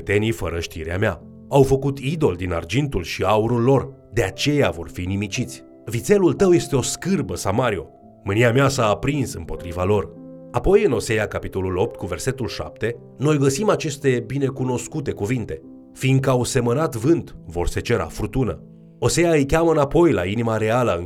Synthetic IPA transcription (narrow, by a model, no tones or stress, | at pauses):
et̪e̞nifəɾəʃt̪iɾea̰mea̰ | awfəkut̪id̪o̞ld̪ina̰rd͡ʒint̪ulʃiauɾulːo̞r | d̪e̞at͡ʃe̞javo̞rfinimit͡ʃit̪sʲ | vit̪se̞lult̪əwje̞st̪e̞o̞skɨrbəsamaɾio̞̰ | mɨniameasaːpɾinsɨmpo̞t̪ɾivalo̞rapo̞jɨno̞se̞jakapit̪o̞lulo̞p̚t̪̚kuve̞rse̞t̪ulʃa̰p̚t̪e̞ | no̞jɡəsimat͡ʃe̞st̪e̞bine̞kuno̞skut̪e̞kuvint̪e̞ | finɡ̪̚kəawse̞mənat̪vɨnt̪vo̞̰rset͡ʃe̞ɾa̰furt̪unə | o̞se̞jaɨjkʲaməɨnapo̞jla̰inimaɾe̞aləɨ